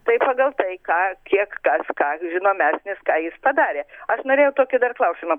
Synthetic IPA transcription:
t̪ɐɪpɑːɡɐlˠt̪ɐɪkɑːkʲiɛkkɐskɑːʒʲɪnoːmʲæːsʲnʲɪskɑːjɪspɐd̪ɑːɾʲeːɐʃnoːɾʲeːjɛʊt̪oːkʲɪd̪ɐrklˠɐʊsʲɪmɐ

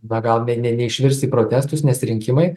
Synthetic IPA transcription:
nɐɡɐlˠnʲɛnʲɛnʲɛɪʃʲʋʲɪɾʲst̪iːpɾoːt̪ʲæːst̪ʊsnʲɛsɾʲɪŋʲkʲɪmɐɪ

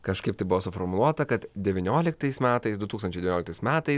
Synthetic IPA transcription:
kɐʃkɐɪpt̪ɐɪbʊʋoːsʊfɔɾmʊlˠuɔt̪ɐkɐt̪d̪ʲɛʋʲɪnʲoːlʲɪk̚t̪ɐɪsmʲæːt̪ɐɪsd̪ʊt̪uksɐnt͡ʃɛɪʋʲnʲoːlʲɪkt̪ɐɪsmʲæːt̪ɐɪ

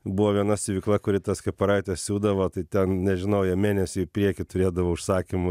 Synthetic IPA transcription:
buʋoːʋʲiɛnɐsʲɪʋʲɪːklˠɐkʊɾʲɪt̪ɐskɐpɐɾɐɪt̪ʲɛssʲuːd̪ɐʋoːt̪ɐɪt̪ʲɛnnʲɛʒʲɪnɐʊjɛmʲeːnʲɛsʲʊɪpʲɾʲiɛkʲɪt̪ʊɾʲeːd̪ɐʋoːʊʃsɑːkʲɪmʊ

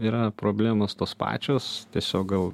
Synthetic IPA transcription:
iːɾɐpɾoːbʲlʲæːmost̪oːspɑ̰ːt͡ʃʲoːst̪ʲiɛsʲoːk̚ɡɐlˠ

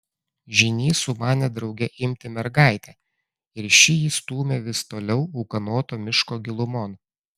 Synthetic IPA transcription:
ʒʲɪnʲiːsʊmɑːnʲɛd̪ɾɒʊɡʲɛʔɪmʲt̪ʲɪmʲɛɾɡɑˑɪt̪ʲɛː | ɪɾʃʲɪjiːst̪uːmʲeːʋʲɪst̪oːlʲɛʊɐʊkɐnoːt̪oːmʲɪʃkoːɡʲɪlˠʊmɔn

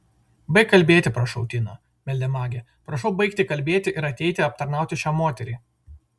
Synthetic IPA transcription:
bɐɪkːɐlʲbʲeːt̪ʲɪpɾɐʃɐʊt̪ʲɪno | mʲɛlʲd̪ʲɛmɑːɡʲeː | pɾɐʃɒʊbɐɪkt̪ʲɪkɐlʲbʲeːt̪ʲɪʔɪɾɐt̪ʲɛɪt̪ʲɪɐp̚t̪ɐɾnɑˑʊt̪ʲɪʃʲæːmoːt̪ʲɛɾʲiː

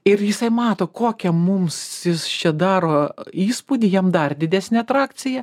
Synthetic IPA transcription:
ɪrjɪsɐɪmɑːt̪oːkoːkʲɛmʊmsjɪst͡ʃʲɛd̪ɑːɾoːiːspʊːd̪ʲɪjɛmd̪ɐrd̪ʲɪd̪ʲæsʲnʲɛɐt̪ɾɑːk̪t͡s̪ʲɪjɛ

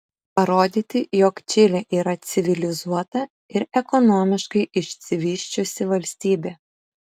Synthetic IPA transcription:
pɐɾoːd̪ʲiːt̪ʲɪjoːkt͡ʃʲɪlʲɛʔiːɾɐt̪sʲɪʋʲɪlʲɪzuɔt̪ɐ | ɪɾɛkɔnɔmʲɪʃkɐɪɪʃʲt̪sʲɪʋʲiːʃʲt͡ʃʲʊsʲɪʋɐlʲsʲt̪ʲiːbʲeː

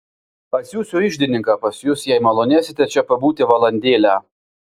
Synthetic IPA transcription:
pɐsjuːsʊɪʒʲd̪ʲɪnʲɪŋkɑpɐsjuːsjɛɪmɐlˠoːnʲæːsʲɪt̪ʲɛt͡ʃʲɛpɐbuːt̪ʲɪʋɐlˠɐnʲd̪ʲeːlʲæ

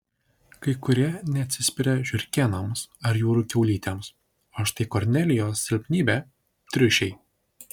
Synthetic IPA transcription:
kɐɪkʊɾʲiɛnʲɛɐt̪ʲsʲɪsʲpʲɪɾʲɛʒʲʊɾʲkʲɛnɐmsɐɾjuːɾukʲɛʊlʲiːt̪ʲems | ɐʃt̪ɐɪkɔɾʲnʲɛlʲɪjoːsːʲɪlʲpʲnʲiːbʲɛ | t̪ʲɾʲʊʃʲɛɪ

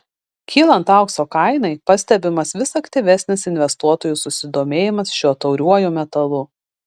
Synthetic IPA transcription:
kʲʰiːlˠɐnt̪ɑˑʊksoːkɐɪnɐɪpɐsʲt̪ʲɛbʲɪmɐsʋʲɪsɐkt̪ʲɪʋʲɛsʲnʲɪsɪnʲʋʲɛst̪uɔt̪oːjuˑsʊsʲɪd̪oːmʲeːjɪmɐsʃʲuɔt̪ɐʊɾʲuɔjuːmʲɛt̪ɐlˠʊ

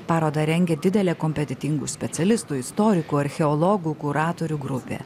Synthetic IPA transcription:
pɑːɾoːd̪ɐɾʲɛŋʲɡʲɛd̪ʲɪd̪ʲɛlʲɛːkɔmʲpʲɛt̪ʲɛt̪ʲɪŋɡṵːsʲpʲɛt̪sʲɛlʲɪst̪uːɪst̪ɔːɾʲɪkuːɐɾʲxʲɛɔlˠɔɡuːkʊɾɑːt̪oːɾʲuːɡɾʊpʲḛː

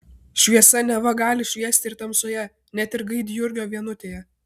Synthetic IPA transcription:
ʃʲʋʲiɛsɐnʲɛʋɐɡɑːlʲɪʃʲʋʲiɛsʲt̪ʲɪɪɾt̪ɐmsoːjɛ | nʲɛt̪ʲɪɾɡɐɪd̪ʲjʊɾʲɡʲoːʋʲiɛnʊt̪ʲeːjɛ

